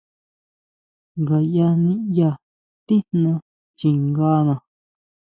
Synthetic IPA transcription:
ŋɡa˨ja˧nĩ˧ja˧ | t̪i˦nnã˧ | t͡ʃi˨ŋɡa˧˦nã˨

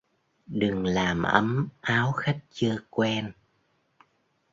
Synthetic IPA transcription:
ɗɨ˨˩ŋlaː˨˩mʔə̰˨˦mʔaː˨˦wxa˦˥jk̚t͡ɕɨ˧kwɛ˧n

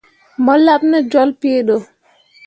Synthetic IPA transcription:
mɔ˦la˦b̚na˦d͡ʒɔ˦lpi˦ɗɔ˨

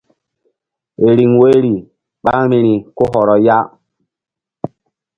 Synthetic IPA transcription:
e˨ɾi˨ŋwe˦ɾi˨ | ɓa˦ɾme˨ɾi˨ko˦ɦɔ˨ɾɔ˨ja˦

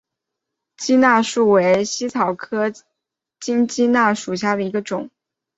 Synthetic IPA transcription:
t͡ɕi˥na˥˧ʂu˥˩we˧˥ɪɕi˥t͡sʰɑ˨˩ʊkʰɤ˥ | t͡ɕi˥ŋt͡ɕi˥na˥˩ʂu˨˩ɕ̬ja˥˩d̪ə˩i˧˥ɡə˧ʈ͡ʂʊ˨˩˦ŋ

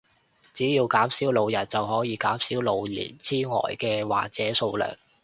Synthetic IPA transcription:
t͡siː˨˥jiː˧wkaː˨˥msiː˨˥wlo˨˧wjɐ˨˩t̚t͡sɐ˨wɦɔː˨˥jiː˨˧kaː˨˥msiː˨˥wlo˨˧wlḭː˨˩nt͡sʰiː˥ŋɔ̰ː˨˩jkɛː˧wa̰ː˨k̚t͡sɛː˨˥so˧wlœ̰ː˨˩ŋ

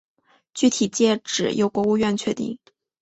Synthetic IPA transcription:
t͡ɕy˥˩t̪ʰi˨˩t͡ɕjɛ˥˩ʈ͡ʂɻ̩˨˩jo˧˥ʊkwɔ˧˥u˥˧ɥɛ˥˧nt͡ɕʰɥɛ˥˧t̪ḭ˥˩ŋ

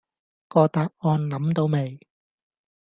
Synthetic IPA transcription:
kɔː˧t̪aː˧˥p̚ɔː˧nlɐ˨˥mt̪o˧wme˨˩j

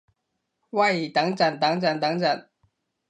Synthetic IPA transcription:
wa˥˩ɪi˨˩t̪a˧˥ŋʈ͡ʂa˨˩nt̪a˧˥ŋʈ͡ʂa˨˩ŋt̪a˧˥˦ŋʈ͡ʂa˨˩˦ŋ

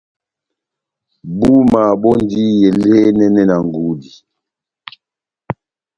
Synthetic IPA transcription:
bu˦ma˨ɓɔ˦n˦di˦jɛ˨le˦nɛ˦nɛ˦na˨ŋ˨ɡu˦di˨

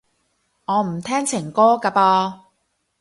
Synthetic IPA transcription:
ŋɔː˨˧m̩˨˩t̪ʰɛː˥ŋt͡sʰɪ˨˩ŋkɔː˥ka˧paː˧

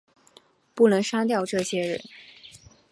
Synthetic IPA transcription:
pu˥˩nɤ˧˥ŋʂa˥t̪̬jɑ˥˧ʊʈ͡ʂɤ˥˩ɕjɛ˥ɻə̰˧˥˦n

